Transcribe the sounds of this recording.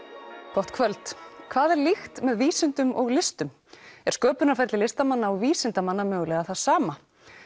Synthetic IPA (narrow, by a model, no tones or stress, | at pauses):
kɔht̪kʰvœlt̪kʰvaːðɛɾlixt̪mɛðviːsɪnt̪ʏmʔɔɣlɪst̪ʏm | ɛɾ̥skœːpʏnafɛjɾt̪lɪlɪst̪amanːaɔɣviːsɪnt̪amanːamœːɣʏlɛɣaθaðsaːma